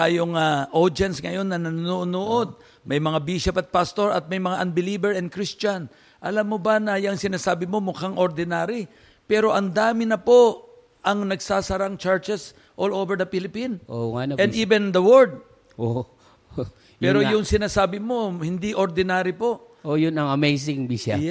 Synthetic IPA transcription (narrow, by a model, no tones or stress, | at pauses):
t̪aːjoŋaʔod͡ʒɛnsŋɐjo̞nːɐnɐnunuʔnoʔo̞d̪̚ | mɐjmɐŋabiʃɐpɐt̪̚past̪o̞ɹɐ̰t̪̚mɐjmɐŋaʔɐnbɪliːbɛɹɛn̚kɾist͡ʃɐn | ʔɐ̰lamːobɐnɐjɐŋsɪnaːsaːbɪmo̞mʊkaŋʔoɾd̪ɪnaːɾɪ | pɛːɾo̞ʔɐŋd̪aːmɪnɐpo̞ | ʔɐŋnɐɡsaːsɐɾaŋt͡ʃaɹt͡ʃɛs | ʔolovɛɹd̪ɐpilɪpinʔoŋanoʔɛ̃d̪iːvɛnd̪ɐwɔɹd̪̚ | ʔo | pɛːɾojʊŋsɪnaːsaːbɪmo̞hɪnd̪iʔoɾd̪ɪnaːɾɪpo̞ʔ | ʔojʊnɐŋɐmejsɪŋbiʃɐ